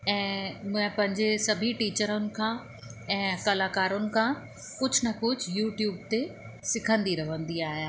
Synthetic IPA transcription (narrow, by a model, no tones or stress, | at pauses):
ɛ̃ːmʊ̃ɦɪ̃pɐ̃ɦɪ̃ɲd͡ʑesɐbʱiʈiːt͡ɕəɾʊnɪ̆kʰãː | ɛ̃ːkɐlaːkaːɾʊnɪ̆kʰãː | kʊd͡ʑʱʊnɐkʊd͡ʑʱjuːʈjuːb̚t̪e | sɪkʰə̃nd̪iɾɐʋ̤ə̃nd̪iaːɦijaː